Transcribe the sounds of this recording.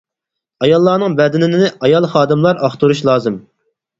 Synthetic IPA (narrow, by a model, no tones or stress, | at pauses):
ɑjɑlˠːɑːnɨŋbɛd̪ɪnɪnɪnɪʔɑjɑlˠχɑːd̪ɨmlˠɑɾɑχt̪ʰuɾuʃlˠɑːzɨm